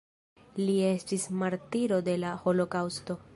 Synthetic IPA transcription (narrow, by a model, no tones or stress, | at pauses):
lie̞stismaɾtiɾo̞de̞laho̞lo̞kawsto̞